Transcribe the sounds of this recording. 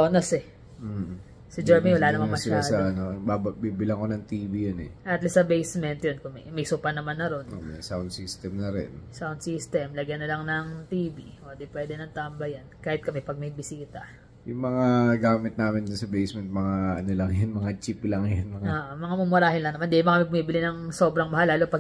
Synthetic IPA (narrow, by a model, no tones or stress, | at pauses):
oːnɐsɛ | sɪd͡ʒɛɹmiwɐlaːnɐmanmːɐʃsɪaasɐɐnobabbiːbɪlɐŋkonɐŋt̪iːbijonɛ̰ʔɐt̪lɐsɐbejsmɛnt̪jonkʊmɛmɐjsʊpɐnɐmanːɐɾo̞nʔo̰mɐjsawnd̪sist̪ɛmnɐɾɛ̰nsawnd̪sist̪ɛmlɐɡjɐnɐlɐŋnɐŋt̪iːbiʔod̪ɪpwɛd̪ɛnɐŋt̪aːmbɐjannkaːhɪt̪̚kɐmɛpɐɡ̚mɐjbɪsiːt̪ɐ | jʊŋmɐŋaɡaːmɪt̪naːmɪnd̪ʊnsɐbejsmɛnt̪̚mɐŋaʔɐnolɐŋjonmɐŋat͡ʃiplɐŋjonmɐŋaoːʔomɐŋamʊmʊɾaːhɪnlɐŋnɐmand̪imɐkɐmebmiːbɪlɪnɐŋso̞ːbɾɐŋmɐɦalaːlopɐ